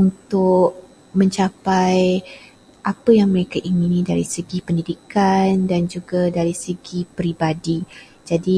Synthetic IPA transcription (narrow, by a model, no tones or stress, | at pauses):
unt̪ʊʔ̚ | mə̃ɲt͡ʃapaj | ʔapəjaŋməɾekaʔiŋinĩdaɾisəɡipəndidikandand͡ʒuɡadaɾisəɡipɾibadi | d͡ʒadi